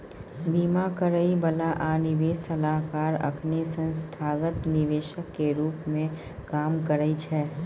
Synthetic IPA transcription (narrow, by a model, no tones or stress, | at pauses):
biːmakəɾəibəlaʔaːnɪʋeːsəlaːɦkaːɾɐ̰kʰnisə̃nst̪ʰaːɡət̪nɪʋeːʃəkːeɾuːpmẽ | kaːmkəɾəit͡ʃʰɛː